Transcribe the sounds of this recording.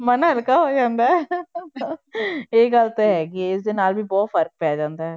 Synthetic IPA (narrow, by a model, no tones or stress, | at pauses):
mənɦəlkaːɦoːd͡ʒãːnd̪aːɦɛ | eːɡəlt̪oːɦɛːɡiɪsd̪eːnaːlbʱiːbɔːt̪pʰəɾk̚pɛːd͡ʒãːnd̪aːɦɛː